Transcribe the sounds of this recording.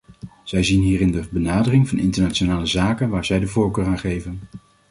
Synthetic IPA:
z̥ɛjzinɦiːrɪndəbənaːdərɪŋvɑnɪntəɹnaːt͡ʃonaːləzaːkənʋaːɹzɛjdəvoːɹkøːraːnχejvən

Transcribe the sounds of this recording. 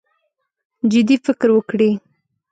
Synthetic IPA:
d͡ʒɪd̪ifɪkɾwəkɽi

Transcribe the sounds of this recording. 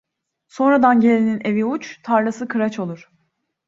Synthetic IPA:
so̞nɾad̪anɟe̞lʲinine̞viut͡ʃt̪ʰaɾlˠasɯkʰɯɾat͡ʃʰo̞lˠuɾ̥

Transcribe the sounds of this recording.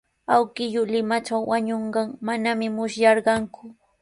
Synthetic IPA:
awkɪʎʊlɪmat͡ʃawːaɲoɴɢɑŋmanamɪmʊʃjɑɾɢɑŋkʊ

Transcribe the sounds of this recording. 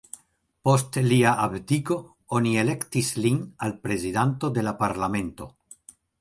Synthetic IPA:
po̞stliaʔabtiko̞ | o̞nie̞le̞ktislinalpɾe̞zidanto̞d̪e̞lapaɾlame̞nto̞̰

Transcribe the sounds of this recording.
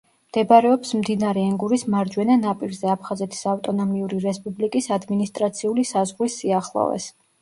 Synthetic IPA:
md̪̥ɛbɾɛɔpsmd̪inaɾɛɛŋɡuɾismaɾd͡ʒwɛnanapʼiɾzɛapʰχazɛt̪ʰi̥savt̪ʼɔnɔmiuɾiɾɛspʼublikʼisad̪minist̪ʼɾat̪sʰiulisazʁlisːiaχlˠɔ̰vɛ̰s

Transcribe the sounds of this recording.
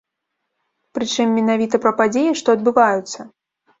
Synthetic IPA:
pɾɨt͡ʂɨmːʲɛnavʲit̪ɐpɾɐpad͡zʲejiʂt̪ɔɐd̪̚bɨvajut̪sːɐ

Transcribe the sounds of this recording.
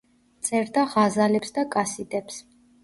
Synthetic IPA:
t̪sʼɛɾd̪aʁazalɛpsd̪akʼasid̪ɛps

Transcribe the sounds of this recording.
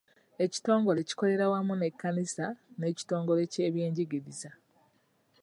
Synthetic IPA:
e̞ci̥to̞ːŋɡo̞le̞ci̥ko̞le̞ɾawamune̞kːanisane̞ːci̥to̞ːŋɡo̞le̞ce̞ːβje̞ːɲɟiɡiɾiza

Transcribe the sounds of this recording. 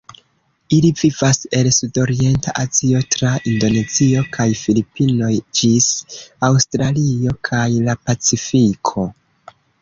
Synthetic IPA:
ilivivase̞lsudo̞ɾie̞ntaʔazio̞tɾaʔindo̞ne̞zio̞kʰajfilipino̞jd͡ʒisawstɾalio̞kʰajlapat͡sifikʰo̞

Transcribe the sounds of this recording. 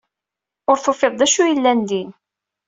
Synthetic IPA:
ʊɾθofeðˤd̪æʃujəlːænd̪in

